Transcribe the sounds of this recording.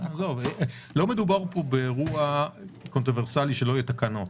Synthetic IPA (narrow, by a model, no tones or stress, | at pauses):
azovelo̞me̞d̪ubaʁpo̞beʁuakont̪ʁove̞ʁsaliʃeloajet̪akanot